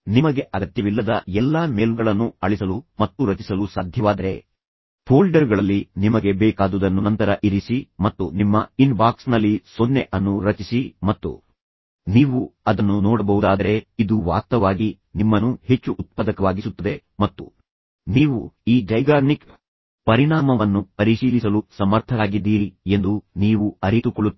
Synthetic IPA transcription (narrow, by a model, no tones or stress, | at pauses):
nimɐɡe̞ʔɐɡɐt̪jɐʋilːɐd̪ɐɛlːaːmeːlɡɐɭɐnːuɐɭisɐlumɐt̪ːuɾɐt͡ʃisɐlusaːd̪ʱjɐʋaːd̪ɐɾe̞ | pʰoːlɖɐɾɡɐɭɐlːinimɐɡe̞bɛːkaːd̪ud̪ɐnːunɐnt̪ɐɾɐʔiɾisimɐt̪ːunimːɐinbaːksnɐlːisonːe̞ʔɐnːuɾɐt͡ʃisimɐt̪ːṵ | niːʋuɐd̪ɐnːunɔːɽɐbɐɦud̪aːd̪ɐɾe̞id̪uʋa̰ːt̪ɐʋaːɡi | nimːɐnːuhe̞t͡ʃːuʔut̪̚pɐd̪ɐkɐʋaːɡisut̪ːɐd̪e̞ | mɐt̪ːṵ | niːʋuiːɖɐjɡaːnik | pɐɾiɳaːmɐʋɐnːupɐɾiʃiːlisɐlusɐmɐɾt̪ʰɐɾaːɡid̪ːiːɾie̞nd̪uniːʋuɐɾit̪ukoɭut̪ː